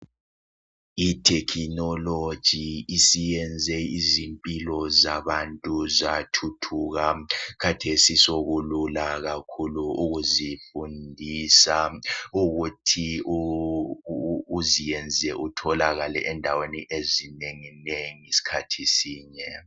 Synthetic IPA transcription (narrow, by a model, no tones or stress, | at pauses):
itʰɛkʰinɔlod̥ʒ̥ʱiisijɛnd͡zʱɛizimpʼilɔzaβantʼuzatʰutʰuɣakʰatʰesisoɣululaɣakʰuluuɣuzifundʱisauɣutʰiu | zijɛnd͡zʱɛʔutʰɔlaɣalɛʔɛndʱaweniʔezineŋineŋisi̥kʰatʰisiːɲɛ